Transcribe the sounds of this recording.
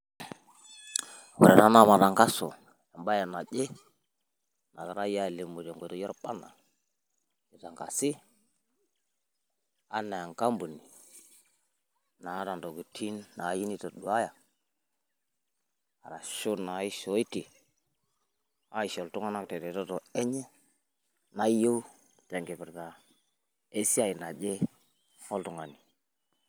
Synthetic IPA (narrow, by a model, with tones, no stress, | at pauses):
wḛ˨ɾe˨na˨˦na˦˨ma˨ta˨ŋka˦so̰˨ | a˨mba˦ja˨na˨d͡ʒe˦ | na˨ka˨ɾa˦ja˦˨le˨mu˨te˨ŋɡo˨to˦jɔ˦ɾpa˦na̰˨ | i˨ta˨ŋka̰˨si˦ | a˦na˨a˨ŋka˦mbu˨ni˨ | na˨˦ɾa˨ndo˨ɡu˨tʰi˦nːa˨˦ji˦ni˦to˨ɗu˨a˦ja˨ | a̰˨ɾa˨ʃu˦na˨˦i˦ʃo˨˦i˦ti˨ | a˦i˨ʃo˨ltu˦ŋa˦na˦kte˨te˨to˦to˨e˦ɲe˦ | na˦jo˦ | ta˨ŋɡe˨pi˨ɾka˨ | e˦si˦a˦˨ji˨na˨d͡ʒe˦ | o˦ltu˨ŋa˨ni˨